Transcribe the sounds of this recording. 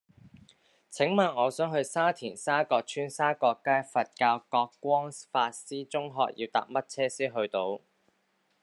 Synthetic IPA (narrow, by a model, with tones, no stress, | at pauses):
t͡sʰɪ˨˥ŋmaː˨˩nɔː˨˧sœː˨˥ŋɦɵ˧ɥsaː˥t̪ʰiː˨˩nsaː˥kɔː˧k̚t͡ʃʰyː˥nsaː˥kɔː˧kːaː˥jfɐ˨t̚kaː˧wkɔː˧kːʷɔː˥ŋfaː˧t̚siː˥t͡sʊ˥ŋɦɔ̰ː˧k̚jḭ˧wt̪a̰ː˧p̚mɐ˥t̚t͡sʰɛː˥siː˥ɦɵ˧ɥt̪o˧w